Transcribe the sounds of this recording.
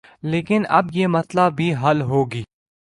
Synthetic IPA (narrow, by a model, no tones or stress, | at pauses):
leːkɪnɐ̰bjeːmɐslabʱiɦɐlɦoːɡiː